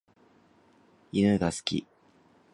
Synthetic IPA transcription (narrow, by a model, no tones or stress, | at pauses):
inɯɡasɨ̥kʲḭ